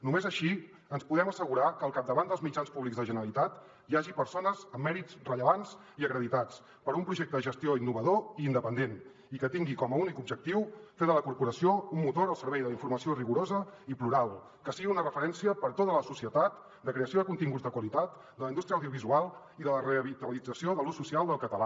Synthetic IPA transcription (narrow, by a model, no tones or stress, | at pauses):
numezəʃi | ənspuðɛməsəɣuɾakəlˠkap̚d̪əβand̪əlˠzmid͡ʒanspuβlikzðəʒənəɾəlit̪at̪ | iaʒipəɾsonəzəmːɛɾit͡srəʎəβanz | iəkɾəðit̪at͡s | pəɾumpɾuʒɛk̚t̪əðəʒəst̪ioinːuβəðoiːnd̪əpənd̪en | ikət̪iŋɡikɔməunikubʒək̚t̪iwfeðələkuɾpuɾəsioumːut̪oɾəlˠsəɾβɛjðələiɱfuɾməsioriɣuɾozəipluɾalˠ | kəsiɣiunərəfəɾɛnsiəpəɾt̪ot̪ələsusiət̪at̪ | d̪əkɾeəsioðəkunt̪iŋɡud͡zd̪əkwəlit̪at̪ | d̪ələind̪ust̪ɾjəwðiuβizualˠ | iðələreəβit̪əlid͡zəsioðəlususialˠd̪əlˠkət̪əla